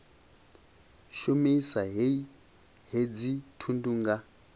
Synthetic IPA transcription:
ʃomisaɦe | ɦed͡zitʰundʼuŋɡa

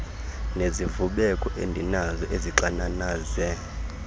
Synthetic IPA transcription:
nezivuɓɛkʼɔʔḛndʱinazɔʔeziǀananaːzɛ

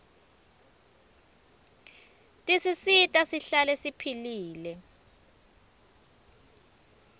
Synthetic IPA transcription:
tʼisisitʼasiɬalɛsipʰiliːlɛ

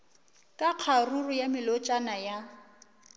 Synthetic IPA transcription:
kʼaq͡χʰarurʊjamɪlɔt͡ʃʼanaja

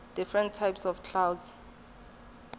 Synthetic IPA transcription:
d̥ifɹɛ̃ntʰːajpsɔfkʰlawdz̥

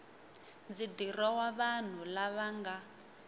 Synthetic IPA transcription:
nd͡zidirɔwaβan̤ulaβaŋɡa

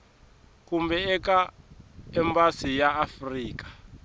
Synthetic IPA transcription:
kumbɛɛka | ɛmbasijaːfriːkḁ

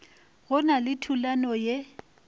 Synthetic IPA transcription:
ɣʊnalɪtʰulanɔje

